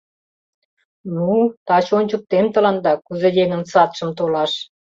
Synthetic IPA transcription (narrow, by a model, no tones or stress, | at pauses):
nut̪ɑt͡ɕonʲt͡ɕək̚t̪emt̪əlɑnd̪ɑkuzejeŋə̆nsɑt̪ʃə̆mt̪olɑʃ